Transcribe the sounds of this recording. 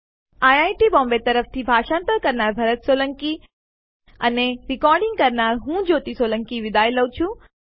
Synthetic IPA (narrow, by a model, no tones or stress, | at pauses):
aːjaːiʈibɔ̃ːmbet̪ɐɾəft̪ʰibʱaːʃãːnt̪əɾkɐɾnaːɾbʱɐɾət̪soːləŋki | ɐneɾɪkɔːɾɖɪ̃ŋɡ̚kɐɾnaːɾɦũːd͡ʑoːt̪isoːlə̃ŋkiʋɪd̪aːjləut͡ɕʰũ